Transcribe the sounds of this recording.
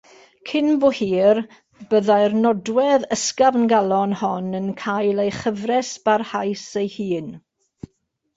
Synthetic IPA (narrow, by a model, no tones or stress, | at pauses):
kʰɪnbohiːr | bəðajrnɔdwɛðəskavənɡalˠɔnhɔnənkʰajlˠejχəvrɛsb̥arhajsejhiːn